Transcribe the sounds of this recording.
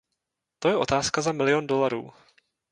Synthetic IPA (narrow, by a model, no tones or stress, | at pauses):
t̪o̞jɛʔo̞̰t̪aːskazamɪlɪjo̞ndo̞laɾṵː